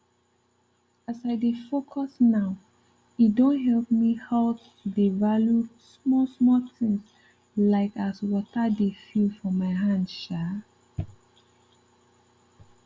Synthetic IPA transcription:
asaɪdefokʰɔsnaʊ | it̚dõnɦɛlˠpmihaʊ | devaljusmɔsmɔθɪ̃ŋs | laɪkaswɔtadefilfɔmaɪɦãndʃa

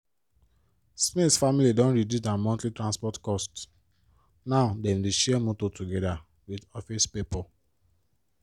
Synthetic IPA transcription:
smitsfamilidɔ̃nɹidusdamɔ̃ntlitɹãnspɔtkɔst | naʊdɛ̃ndeʃɛmototuɡɛda | widɔfispepɔ

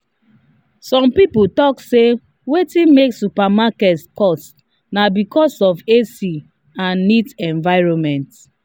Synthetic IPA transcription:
sɔ̃mpiputɔkse | wetĩnmeksupamakɛtskɔst | nabikɔsɔfesi | ãnːitɛ̃ɱvaɪɹɔnmɛ̃nt

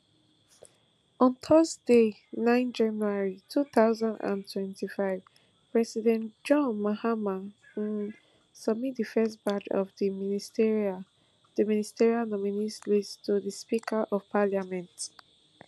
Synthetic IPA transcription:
ɔ̃ntʰɔsde | nãɪ̃nd͡ʒãnuaɹitʰuθaʊzãndã̰ntʰwɛ̃ntifaɪv̥ | pɹɛsidɛ̃nd͡ʒɔ̃nmahama | sʌb̚mit̚difɛstbad͡ʒɔ̰vdiministɹ | dəministɛɹialnɔminislidstuðispikʰəʔɔv̥pʰaljamɛ̃nt

